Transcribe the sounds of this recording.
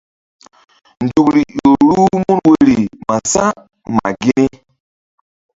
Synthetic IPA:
n̩˨d͡ʒu˨kɾi˨o˨ɾu˦mu˦nwe˦˨ɾi˨ma˨sa˦ | ma̰˨ɡi˦ni˦

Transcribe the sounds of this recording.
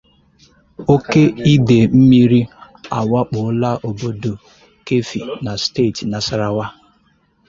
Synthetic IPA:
o˦ke˦i˦de˨m̩˦mi˦ɾi˦ | a̰˨wa˦k͡pʊ˨˦la˦ʔo˨bo˦do˨ | ke˦fi˨na˨ste˦˨ti˨na˨sa˦ɾa˦wa˦

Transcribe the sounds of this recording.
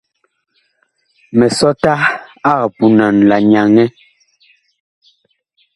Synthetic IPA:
mɛ˨sɔ˦ta˦a˦˨pu˨na˨n˨la˨ɲa˨ŋɛ˦

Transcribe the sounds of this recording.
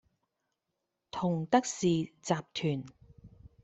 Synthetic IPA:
t̪ʰʊ˨˩ŋt̪ɐ˥k̚siː˨t͡saː˨p̚t̪ʰyː˨˩n

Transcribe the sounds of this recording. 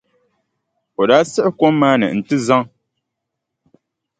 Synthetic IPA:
o˨daː˦sɨ˦ʔɨ˦ko˦mːaː˦nɨ̰˨n̩˨tɨ˦za˦ŋ

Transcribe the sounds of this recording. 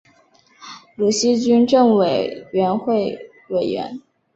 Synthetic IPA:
lu˨˩ɕi˥t͡ɕy˥nʈ͡ʂɤ˥˩ŋwe˨˩ɪɥɛ˧˥nxwe˥˩ɪ | we˨˩ɪɥɛ̰˧˥n

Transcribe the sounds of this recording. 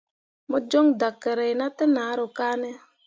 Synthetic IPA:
mɔ˦d͡ʒo˦ŋda˨kːɛ˨ɾɛ˨jna˦tɛ˦na˨˦ɾo˨kaː˦nɛ˦

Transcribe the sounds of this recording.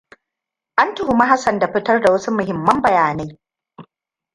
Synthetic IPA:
ʔa˦ntʊ˨hʊ˨ma˦ɦa˦sɐ˨nda˨ɸɪ˦tɐ˦rda˨wɐ˦su˦mʊ˨ɦɪ˨mːɐ˦mbɐ˨jaː˨na˦j

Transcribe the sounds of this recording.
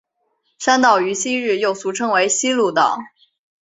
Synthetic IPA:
ʂa˥nt̪ɑ˥˩ʊy˧˥ɕi˥ɻɻ̩˥˧˩jo˥˩ʊsu˧˥ʈ͡ʂʰɤ˥ŋwe˧˥ɪɕi˥lu˥˩t̪ɑ̰˨˩˦ʊ

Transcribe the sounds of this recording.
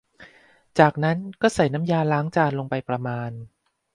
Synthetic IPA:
t͡ɕaː˨˩k̚na˦˥nkɔː˥˩sa˨˩jna˦˥mjaː˧laː˦˥ŋt͡ɕaː˧nlo˧ŋpa˧jpɾa˧maː˧n

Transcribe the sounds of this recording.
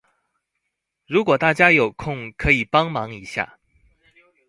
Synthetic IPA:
ɻu˧˥kwɔ˨˩t̪a˥˩t͡ɕja˥jo˨˩ʊkʰʊ˥˩ŋkʰɤ˧˥i˨˩pɑ˥ŋmɑ˧˥ŋi˧˥ɕja̰˥˩

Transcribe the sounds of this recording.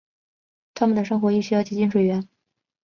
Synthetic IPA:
t̪ʰa˥mə˨nd̪ə˩ʂ̬ɤ˥ŋxwɔ˧˥i˥˩ɕy˥jʊt͡ɕʰi˧˥t͡ɕi˥˩nʂwe˨˩ɪɥɛ˧˥n

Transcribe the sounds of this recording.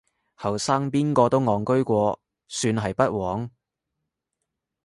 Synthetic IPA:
hɐ˨˩wsaː˥ŋpiː˥nkɔː˧t̪o˥wŋɔː˨˩ŋkɵ˥ɥkʷɔː˧ | syː˧nɦɐ˨jpɐ˥t̚wɔː˨˥ŋ

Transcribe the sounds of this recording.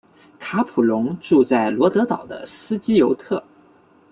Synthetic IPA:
kʰa˧˥pʰu˨˩lʊ˧˥ŋʈ͡ʂu˥˧t͡sa˥˩ɪlwɔ˧˥t̪ɤ˧˥t̪ɑ˨˩ʊd̪ə̰˦sɹ̩˥t͡ɕi˥jo˧˥ʊt̪ʰɤ˥˩

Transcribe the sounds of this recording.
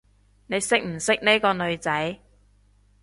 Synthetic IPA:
ne˨˧jsɪ˥k̚m̩˨˩sɪ˥k̚ne˥jkɔː˧nɵ˨˧ɥt͡sɐ˨˥j

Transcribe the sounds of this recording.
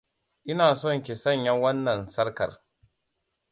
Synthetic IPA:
ʔɪ˦naː˨sɔ˦˨ŋkʲe˨sɐ˦˨ɲjɐ˦wɐ˦nːɐ˨nsɐ˦ɽkɐ̰˨r

